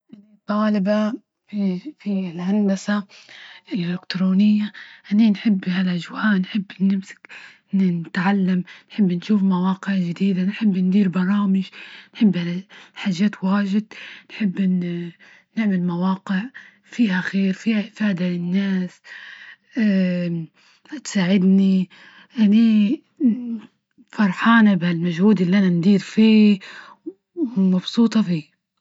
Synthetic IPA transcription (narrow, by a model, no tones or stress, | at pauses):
ʔɪlt̪ˤːɑːlɪba | ffilhand̪asaʔɪlʔelɪkt̪ɾoːnɪjːaʔaninħɪbːhalʔad͡ʒwaːʔnħɪbːnːɪmsɪ̥k | nnɪt̪ʕalːamnħɪbːnʃuːfmawɑːqɪʕd͡ʒɪd̪iːd̪anħɪbːnd̪iːɾbɑɾˤɑːmɪʒnħɪbːhalħaːʒːaːt̪waːʒɪd̪nħɪbːn | nɪʕmɪlmawɑːqɪʕ | fiːɦaxeːɾfiːhaʔɪfaːd̪alɪnːaːs | hat̪saːʕɪd̪ni | ʔani | fɑɾˤħɑːnabhalmaʒhuːd̪ɪlːiʔanand̪iːɾfiː | mɑbsuːt̪ˤɑfiː